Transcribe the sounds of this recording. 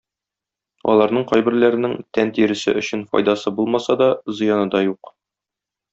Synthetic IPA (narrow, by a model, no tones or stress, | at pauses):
ɒ̰lˠɑɾnɤɴqɒjbɘ̆ɾlæɾɘ̆nɘŋt̪ænt̪iɾɘ̆sɘ̰ʔɵ̆ɕɘnfɒ̰jd̪ɑsɤbulˠmɑsɑd̪ɒzɤ̆jɑnɤd̪ɒjuq